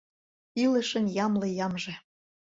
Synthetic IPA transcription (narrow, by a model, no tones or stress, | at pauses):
ilə̆ʃə̆njɑmlɤ̆jɑmʒĕ